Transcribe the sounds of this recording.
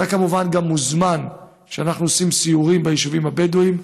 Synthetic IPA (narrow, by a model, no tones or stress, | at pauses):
akamuvanɡamːuzman | ʃeanaχnuosimsiuʁimbaiʃuvimhabeduim